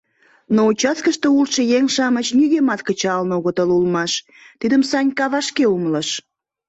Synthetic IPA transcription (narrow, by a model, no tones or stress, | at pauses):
nout͡ɕɑskəʃt̪oulʃəjeŋʃɑmət͡ɕniɣemɑt̪kət͡ɕɑlnoɣət̪əlulmɑʃ | t̪id̪əmsɑnʲkɑβɑʃkeumlɑʃ